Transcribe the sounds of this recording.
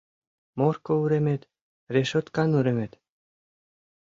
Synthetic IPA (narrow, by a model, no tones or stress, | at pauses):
morkouɾemet̪ | reʃot̪kɑnuɾemet̪